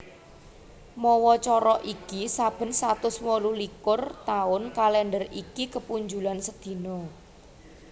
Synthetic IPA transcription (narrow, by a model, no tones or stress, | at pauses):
mɔwɔt͡ʃɔɾɔʔikisab̥ə̤nsat̪ʊswɔlulikʊrt̪aʊnkalɛndərikikəpuɲd͡ʒulansəd̪̥i̤nɔ